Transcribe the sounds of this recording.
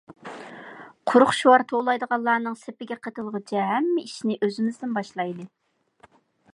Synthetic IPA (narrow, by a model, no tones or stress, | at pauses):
qʰʊɾʊχʃuwɑɾt̪ʰolˠɑjd̪əʁɑlˠːɑːnɨŋsepɪɡʲɛqʰət̪ʰɨlˠʁʊt͡ʃʰɛɦɛmːɪiʃnɪʔøzɪmɪzd̪ɪnbɑʃlˠɑjd̪ɨ